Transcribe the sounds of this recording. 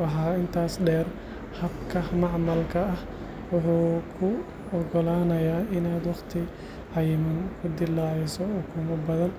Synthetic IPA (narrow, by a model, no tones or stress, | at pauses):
ɐħaːɪnt̪ʰaːsɖɛːr | hɐbkʰɐmɑʕmɐlkʰɐɐh | wʊħuːkʰʊ | ɔɡɔlaːnɐjaːɪnaːd̪wɑχt̪ʰɪ | ʕɐjɪmɐŋkʰʊd̪ɪlːaːʕɪsɔɔkʰʊmɐbɐðɐn